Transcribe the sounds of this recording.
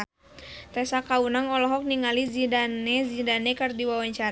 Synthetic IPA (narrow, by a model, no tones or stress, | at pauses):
t̪ɛsakaunaŋɔlɔɦɔk̚niŋalizidanɛzidanɛkərdiwawaɲt͡ʃaɾ